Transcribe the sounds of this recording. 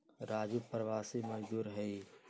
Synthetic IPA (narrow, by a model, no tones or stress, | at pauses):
ɾaːd͡ʒupɾəʋaːsimɐd͡ʒd̪uːɾɦɛi